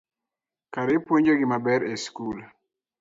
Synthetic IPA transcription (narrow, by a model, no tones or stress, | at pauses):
kaɾepwoɲd͡ʒoɡimabɛɾeskul